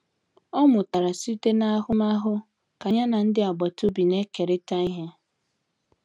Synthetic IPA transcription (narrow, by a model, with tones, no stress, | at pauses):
ɔ˦mʊ˨ta˨ɾa˨si˦te˦na˦a˦ɦʊ˦ma˦ɦʊ˦ | ka˨ɲa˦na˨n̩˦dɪ˦a˨ɡ͡ba˨tʊ˦bi˨ne˦ke˨ɾɪ˦ta˦i˦ɦe˦